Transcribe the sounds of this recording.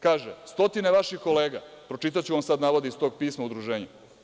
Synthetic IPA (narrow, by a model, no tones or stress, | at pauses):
kaːʒest̪o̞t̪ineʋaʃixko̞leːɡapɾo̞t͡ʃit̪̬at͡ɕuʋamsad̪naːʋod̪eist̪o̞ːɡ̚piːsmaud̪ɾuʒeːɲu